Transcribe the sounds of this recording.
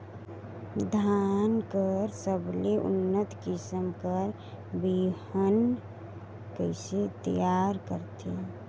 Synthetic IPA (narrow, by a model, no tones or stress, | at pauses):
d̪ʱankəɾsəbleʔʊ̰nːət̪kɪsəmkəɾ | bihən | kəɪset̪əjaɾkəɾt̪ʰi